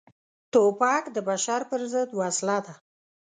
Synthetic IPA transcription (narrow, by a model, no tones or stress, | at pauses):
t̪opɑkd̪əbaʃaɾpəɾzəd̪wɑslad̪a